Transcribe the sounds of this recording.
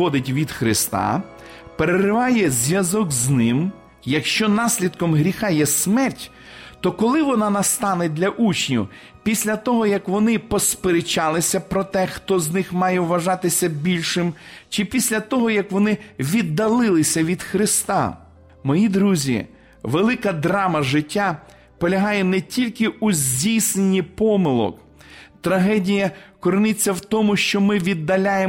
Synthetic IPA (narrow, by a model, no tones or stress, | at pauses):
ɔd̪ɪtʲʋʲid̪xɾɪst̪ɑ̰ | peɾerɪʋɑjɛzʲʋʲjɐzɔɡznɪm | jɐkʃt͡ʃɔnɑsʲlʲid̪kɔmɦɾʲixɑjɛsmɛrtʲ | t̪ɔkɔlˠɪʋɔnɑnɐst̪ɑned̪lʲɐʔut͡ʃnʲʊ | pʲisʲlʲɐt̪ɔɦɔjɐkʋɔnɪpɔspeɾet͡ʃɑlˠɪsʲɐpɾɔt̪ɛxt̪ɔznɪxmɑjɛʋʋɐʒɑt̪ɪsʲɐbʲilʲʃɪmt͡ʃɪpʲisʲlʲɐt̪ɔɦɔjɐkʋɔnɪʋʲid̪ːɐlˠɪlˠɪsʲɐʋʲid̪̥xɾɪst̪ɑ̰ | mɔjid̪ɾuzʲḭ | ʋelˠɪkɐd̪ɾɑmɐʒɪtʲːa | pɔlʲɐɦɑjɛnɛtʲilʲkɪuzʲdʲijsnenʲipɔmɪlˠɔ̰k | t̪ɾɐɦɛdʲijɐkɔɾɪnɪt͡sʲːɐwt̪ɔmʊʃt͡ʃɔmɪʋʲid̪ːɐlʲaje